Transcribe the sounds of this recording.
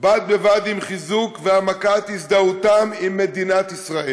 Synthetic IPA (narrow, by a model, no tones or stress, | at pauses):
bat̪̚bevad̪imχizukveamakat̪hisd̪aut̪amimːe̞d̪inat̪isʁae